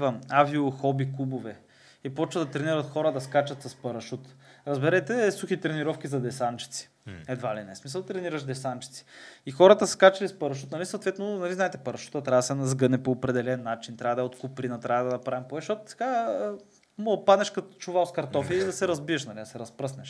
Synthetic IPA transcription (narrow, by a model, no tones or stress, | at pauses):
vɐmaviʊxɔbikubovɛ | ipɔt͡ʃvəd̪ɐt̪ɾɛniɾɐt̪xɔɾəd̪ɐskat͡ʃɐt̪sɐspɐɾɐʃut̪ɾɐzbɛɾɛt̪ɛsuxit̪ɾɛniɾɔfkʲizɐd̪ɛsant͡ʃi̥t̪si̥ | ɛd̪valinɛsmis̬ɐlˠt̪ɾɛniɾɐʃd̪ɛsant͡ʃi̥t̪si̥ixɔɾət̪əsskat͡ʃɐlispɐɾɐʃ̬ut̪nɐlisot̪vɛt̪nonɐlizaɛt̪ɛpɐɾɐʃu̥t̪ət̪ɾʲavsɛnɐzɡɤnɛpoːpɾɛd̪ɛlɛnːat͡ʃint̪ɾʲavəd̪ɐɛot̪kupɾinɐt̪ɾavəd̪ɐnɐpɾavɛmpɔɛʃɔt̪sɛ̥ɡa | mopad̪nɛʃkɐt̪t͡ʃuvaskɐɾt̪ɔfiid̪ɐsɛɾɐzbiɛʃnɐlid̪ɐsɛɾɐspɾɤsnɛʃ